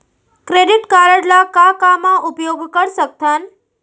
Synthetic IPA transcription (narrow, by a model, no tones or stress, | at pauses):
kɾeɖiʈkaɾəɽlakakamãʔupjoɡkəɾsək̚t̪an